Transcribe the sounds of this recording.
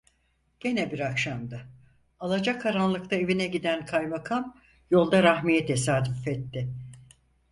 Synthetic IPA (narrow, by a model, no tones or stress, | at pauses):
ɟ̥e̞nɛbiɾakʃamd̪a | alˠad͡ʒakʰːaɾanlˠɯkt̪ʰae̞vinɛɟid̪ænkʰajbakʰam | jo̞lˠd̪aɾaɦmijɛt̪ʰɛsaːd̪yfɛt̪ʰːɪ